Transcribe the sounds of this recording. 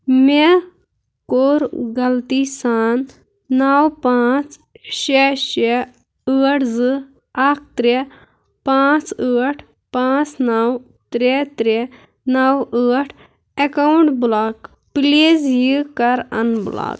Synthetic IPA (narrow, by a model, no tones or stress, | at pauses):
me | koːɾɡɐlt̪iːsaːnː | awpãːt͡s | ʃeʃe | əːʈʰzɨ | aːkʰt̪ɾe | pãːt͡səːʈʰ | pãːt͡snɐw | t̪ɾet̪ɾe | nɐwəːʈʰ | ekawɳʈbulaːk | pileːzjikɐɾɐnbula̰ːk